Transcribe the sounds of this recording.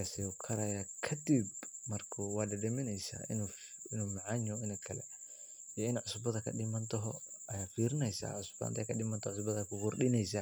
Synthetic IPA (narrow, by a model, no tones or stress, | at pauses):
kasɛɔkʰɐɾɐjakʰɐd̪ibmɐrkʰʊwɑːdɐdɛmɪnɛjsa̰ɪ̰nɪnuːmɑʕɑɲɔɪnɐkʰɐlɛ̰ | jɔɪnʕʊsbɐðɐkʰɐ̰ɗɪmɐnt̪ʰɔɦɔɐjaːfiːɾɪnɛjsa̰ːʕʊsb̥a̰ːnt̪ɐkʰɐɗɪmɐnt̪ʰɔʕʊsbɐðɐkʊqʊrɗɪnɛjsa